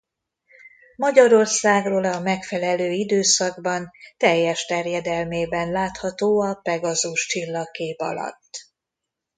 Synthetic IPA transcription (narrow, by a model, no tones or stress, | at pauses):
mɒɟɒɾo̞rsaːɡroːlɒmɛkfɛlɛløːid̪øːsɒɡbɒnt̪ɛjːɛʃt̪ɛrjɛd̪ɛlmeːbɛnlaːt̪hɒt̪oːɒpɛɡɒzuʃt͡ʃilːɒkeːpɒ̰lɒ̰t̪ː